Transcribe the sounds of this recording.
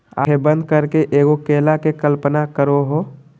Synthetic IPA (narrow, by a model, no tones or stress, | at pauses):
a̰ebə̃nd̪̚kəɾkeʔeːɡokeːlakekəlpənakəɾoɦoː